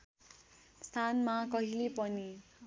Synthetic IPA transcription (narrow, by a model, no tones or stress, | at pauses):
st̪ʰanmakʌɦilepʌni